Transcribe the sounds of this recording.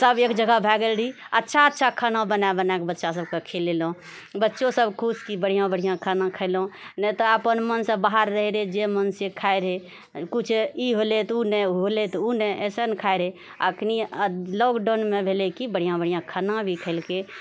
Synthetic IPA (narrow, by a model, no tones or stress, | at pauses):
səbeːkd͡ʒəɡabʱɛɡəlɽʱiətːʃʰaətːʃʰakʰənãbənabənakebətːʃas̬əb̚kekʰelelõ | bətːʃosəbkʰuskibəɽ̤ijãbəɽijãkʰənãkʰəɪlũnɛt̪ɔəpənmənsə̃baɦaɾːəɦɾed͡ʒemənsekʰaeɾɦe | kut͡ʃʰiɦolet̪uneɦolet̪uneʔɛsenkʰaeɾɦe | ə̰knilɔkɖonmebʱelekibəɽ̤ijãbəɽijãkʰənãbʱikʰəɪlke